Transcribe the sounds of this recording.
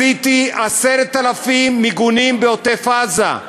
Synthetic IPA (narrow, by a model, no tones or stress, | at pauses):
it̪iaseɾt̪alafimːiɡunimbeot̪efaza̰